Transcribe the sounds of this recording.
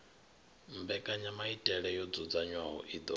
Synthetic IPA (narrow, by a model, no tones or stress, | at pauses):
mbɛkʼaɲamaitʼɛɺɛjɔd͡zud͡zaɲwaɦɔ̰ʔid̪ɔ